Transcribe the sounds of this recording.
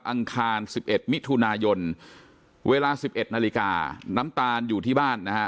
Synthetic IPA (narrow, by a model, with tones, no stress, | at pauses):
p̚ʔa˧ŋkʰaː˧nsi˨˩p̚ʔe˨˩t̪̚mi˦˥t̪ʰu˧naː˧jo˧n | wʔeː˧laː˧si˨˩p̚ʔe˨˩t̪̚naː˧li˧ka̰ː˧na˦˥mt̪aː˧njuː˨˩t̪ʰiː˥˩baː˥˩nːa˦˥kʰa˦˥